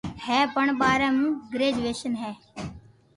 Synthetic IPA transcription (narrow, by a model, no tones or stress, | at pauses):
hɛːpəɳbaːɾɛ̃ːmũːɡɾeːd͡ʒʋeːʃənɦɛː